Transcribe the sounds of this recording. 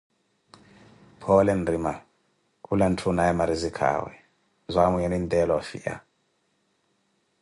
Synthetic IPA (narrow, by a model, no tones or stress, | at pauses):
pʰɔlɛndrima | kʼulantʰunaɛmaɾizikʰa̰wɛ̰ | zʷamuɲɛnintʼɛlɔfiʔa̰